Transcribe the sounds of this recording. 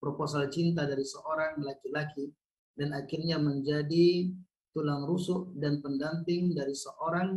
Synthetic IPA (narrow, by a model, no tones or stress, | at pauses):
pɾoposalt͡ʃint̪adaɾisəʔoɾaŋlakilaki | danakɪrɲaməɲd͡ʒadi | t̪ulaŋɾusʊʔdanpəndampɪŋdaɾisəʔoɾaŋ